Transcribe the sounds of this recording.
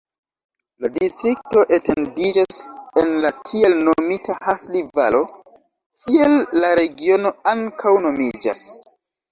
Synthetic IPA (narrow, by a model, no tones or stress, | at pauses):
ladistɾik̚to̞ʔetʰe̞ndid͡ʒasenlatʰie̞lnomitahasliva̰lo̞ | kʰielːaɾe̞ɡio̞no̞aŋkʰawno̞mid͡ʒa̰s